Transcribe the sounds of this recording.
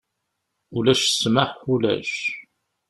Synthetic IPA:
ulæʃə̥smaħulæ̰ʃ

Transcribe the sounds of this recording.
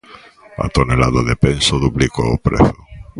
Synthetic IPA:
a̰t̪onelaðaðepensoðupliko̰opɾḛθo̥

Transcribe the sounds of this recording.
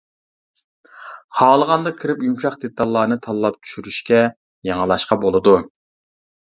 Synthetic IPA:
χʰɑːlˠəʁɑnd̪ɑkʲʰiɾɪpjumʃɑχd̪et̪ːɑlˠːɑːnɨt̪ʰɑlˠːɑp̚t͡ʃ̪ʰy̥ʃyɾyʃkʲɛ | jɑŋəlˠɑʃqɑbolˠɨd̪u

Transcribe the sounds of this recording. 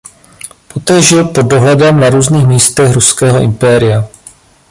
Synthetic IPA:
po̞t̪ɛːʒɪlpo̞d̚dːo̞ɦlɛdɛmnaɾuːzniːxmiːst̪ɛxɾuskɛːɦoʔɪ̰mpɛːɾɪja

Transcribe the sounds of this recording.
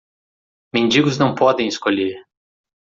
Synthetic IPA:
mẽnd͡ʒiɡʊznɐ̃w̃pɔd̪ẽj̃eskoʎeɾ

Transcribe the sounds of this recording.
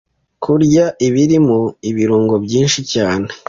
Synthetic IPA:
kʰuɾɟaʔiβiɾimuiβiɾuːŋɡo̞bɟiːnʃicaːne

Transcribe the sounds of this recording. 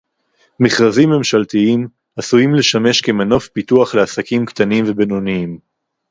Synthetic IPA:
miχʁazimːe̞mʃalt̪iim | asujimle̞ʃame̞ʃkemano̞fpit̪uaχleasakimkt̪animve̞beno̞niim

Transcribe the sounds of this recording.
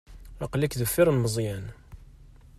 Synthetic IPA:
ɑqlikðəfːɪɾˤənməzˤjæn

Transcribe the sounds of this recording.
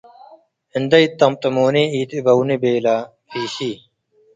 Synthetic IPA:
hɪnd̪ɐit̪ːɐmt̪ɐmoːneiːt̪ebɐwnebeːlaː | fʰiːɕiː

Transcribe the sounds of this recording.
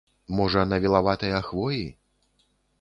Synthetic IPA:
mɔʐɐnɐvʲilˠavat̪ɐjɐaxvɔji

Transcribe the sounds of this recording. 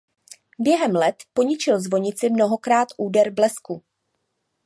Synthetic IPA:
bjɛɦɛmlɛt̪po̞ɲɪt͡ʃɪlzvo̞ɲɪt͡sɪmno̞ɦo̞kɾaːt̪ʔuːdɛɾblɛsku

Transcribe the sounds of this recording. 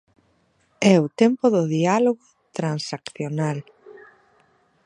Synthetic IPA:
ɛʊt̪empʊðʊðialoɣʊ | t̪ɾansakθjonal

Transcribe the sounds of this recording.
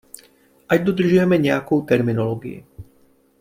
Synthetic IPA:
ʔajd̪ɔd̪r̩ʒʊjɛmɛɲɛakuːt̪ɛɾminɔlɔɡḭḭ

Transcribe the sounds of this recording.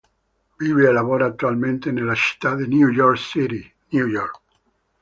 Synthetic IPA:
viːveelavoːɾat̪ːualment̪enelːat͡ʃi̥t̪ːad̪injujɔrksiɾi | njujɔrk

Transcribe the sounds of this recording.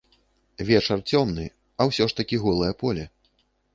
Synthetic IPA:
vʲɛt͡ʂɐrt͡sʲɔmnɨ | ɐwsʲɔʂt̪ɐkʲiɣɔlˠɨjɐpɔlʲɛ

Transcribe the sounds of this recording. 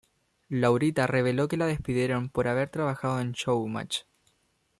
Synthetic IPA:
lawɾit̪are̞β̞e̞lo̞ke̞lað̞e̞hspiðje̞ɾo̞mpo̞ɾaβe̞ɾt̪ɾaβaxaðoenʃowma̰t͡ʃ

